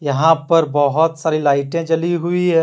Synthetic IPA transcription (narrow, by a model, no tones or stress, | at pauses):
jɐɦãpɐɾbɐɦʊt̪saːɾilaːɪʈẽt͡ʃɐliɦʊiɦɛ̃ː